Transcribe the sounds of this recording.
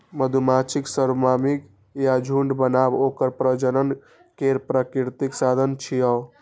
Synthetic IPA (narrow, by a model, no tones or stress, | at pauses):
məd̪ʱumat͡ʃʰiksəɾmamik | jad͡ʒʱuɳɖbənabokəɾpɾəd͡ʒənən | keɾpɾakiɾt̪iksad̪ʱənt͡ʃʰijəw